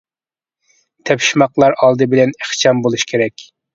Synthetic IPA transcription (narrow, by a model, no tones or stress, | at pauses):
t̪ʰɛpʃmɑqlˠɑɾɑlˠd̪ɨbɪlɛneχt͡ʃʰɑmbolˠuʃkʲʰeɾɛkʲ